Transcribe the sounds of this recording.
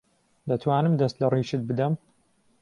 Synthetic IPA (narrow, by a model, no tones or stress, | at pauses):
d̪ɐt̪ʰwaːnɨmd̪ɐst̪lɐriːʃɨt̪̚bɨd̪ɐm